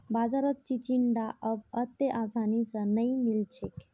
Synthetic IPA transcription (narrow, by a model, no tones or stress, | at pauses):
bad͡ʒaɾət̪̚t͡ʃit͡ʃiɳɖaʔəbət̪eʔasanisə̃nəimilt͡ʃʰek